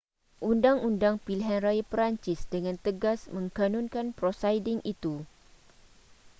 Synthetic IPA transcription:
ʔundaŋundaŋpiliɦanrajapɾaɲt͡ʃɪsdəŋãnt̪əɡasmə̃ŋkanũnkanpɾosajdɪŋit̪u

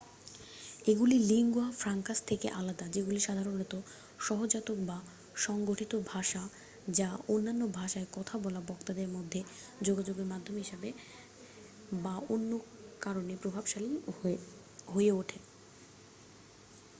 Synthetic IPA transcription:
eɡuliliŋɡoafɾaŋkast̪ʰekeʔalad̪ad͡ʑeɡuliʃad̪ʱaɾonet̪o | ʃɔɦod͡ʑat̪ok̚ba | ʃɔŋɡoʈʰit̪obʱaʃa | d͡ʑaonːanːobʱaʃaekɔt̪ʰabɔlabɔkt̪ad̪eɾmod̪ʱːe | d͡ʑoɡad͡ʑoɡeɾmad̪ʱːomɦiʃabe | baonːokaɾonepɾobʱabʃali | ɦoeoʈʰe

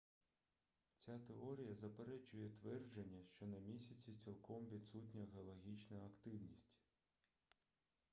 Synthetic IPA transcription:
t͡sʲat̪eɔɾʲijɐzɐpeɾɛt͡ʃʊjɛt̪ʋɛrd͡ʒenʲːɐʃt͡ʃɔnɐmʲisʲɐt͡sʲit͡sʲilˠkɔmʋʲid̪sutʲnʲɐɦeɔlˠɐɦʲit͡ʃnɐɐkt̪ɪwnʲisʲtʲ

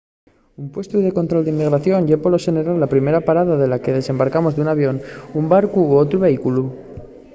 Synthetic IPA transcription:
umpwe̞st̪uðe̞ko̞nt̪ɾo̞ld̪eimːiɣɾaθjo̞ɲʎepolo̞seneɾalːapɾime̞ɾapaɾaðaðe̞lake̞ðe̞se̞mbaɾkamo̞zðeunaβ̞jo̞numbaɾkuoot̪ɾuβe̞ikulu

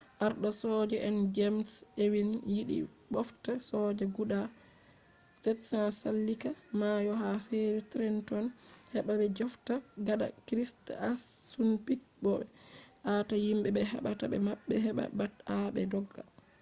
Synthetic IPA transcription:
ʔaɾɗɔsɔd͡ʒɛʔɛnd͡ʒɛmsewinjiɗḭ | bɔftasɔd͡ʒɛɡuɗa | sɛtsasalːikamajɔɦafeɾitɾɛntɔnhɛɓaɓɛd͡ʒɔftaɡaɗa̰kɾistasunpik̚bɔɓɛʔatajimɓɛbɛɦɛ̰ɓatabɛmaɓːɛɦɛɓa̰bataɓɛ̰dɔɡːa̰

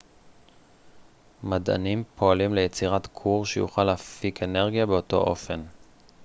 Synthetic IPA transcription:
mada̰nimpʰo̞alimlejet͡siʁatkʰuʁʃejṵχalaːfike̞ne̞ʁɡijabeo̞to̞̰ʔo̞̰fe̞n

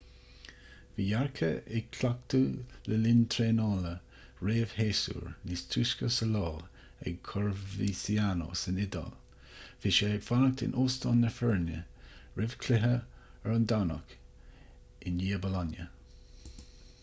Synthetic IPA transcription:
viːjaɹkʰə̰ɪɡ̚kʰlak̚t̪uləlɪnt̪ʰɾeːnɑːlə | ɹeːv̥heːsṵːɹnist̪ʰɾuːskəsəlɑː | ɛ̰ɡ̚kʰɔɹvisiano̰sɪnɪd̪a̰l | fɪʃeɪɡfanək̚t̪ɪ̰nʔoːst̪ɔːnːəfɛɹnjə̰ɹɪv̥kʰlɪɦəɛɹʊnd̪anɔ̰k | ɪnliːəbəlanjə̰

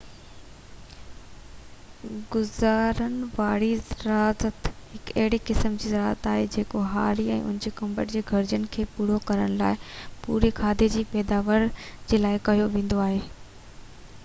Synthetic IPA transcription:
ɡʊzaːɾənɪ̆ʋaːɽizɾaːzət̪hɪkɐɦɪɽikɪsəmd͡ʑiːzɐɾaːzət̪aːɦed͡ʑeːkoɦa̰ːɾiɛ̰̃ːʊ̰nɪ̃d͡ʑekɐ̃mbəʈd͡ʑeːɡʱɐɾd͡ʑənkʰeːpuːɽ̤okɐɾəɽ̃laːɪpṵːɾekʰaːd̪ʱed͡ʑiːpɛːd̪aːʋəɾd͡ʑeːlaːɪkɐɦijoʋẽːn̆d̪oaːɦeː

